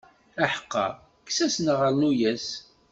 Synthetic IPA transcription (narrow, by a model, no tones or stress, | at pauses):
æħə̥qːɑ̰ | kːsæsnʁəlnujæs